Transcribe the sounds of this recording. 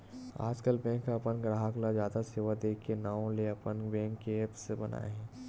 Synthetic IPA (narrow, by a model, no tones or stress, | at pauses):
a̰ːd͡ʒkəlbɛ̃ːŋkːaɐpənkɾaɦaklad͡ʒjaːd̪aseːʋad̪eːkːenaːõleɐpənkbɛ̃ːŋkːeepsebɐna̰ːḛɦɛ̃ː